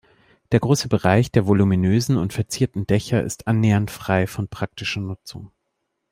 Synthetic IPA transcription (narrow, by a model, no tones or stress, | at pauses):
d̥eːɐɡʁoːsəbəʁaɪçd̥eːɐvoluminøːzn̩ʊntfɛɐt͡siːɐtn̩dɛçɐʔɪ̰stʔanːeːɐntfʁ̥aɪfɔnpʁ̥ak̚tɪʃɐnʊt͡sʊ̰ŋ